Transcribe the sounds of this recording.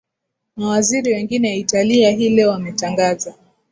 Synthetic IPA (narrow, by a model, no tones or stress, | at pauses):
mawaziɾiwɛŋɡinɛitaliaɦilɛwamɛtaŋɡaza